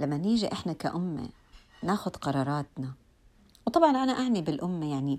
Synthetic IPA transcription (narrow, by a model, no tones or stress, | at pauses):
lamːaniːʒiʔɪħnaka̰ʔʊmːḛ | naːxʊd̪qɑɾˤɑːɾˤɑːt̪na | wt̪ˤɑbʕɑnʔanaʔaʕnibɪlʔʊmːejaʕni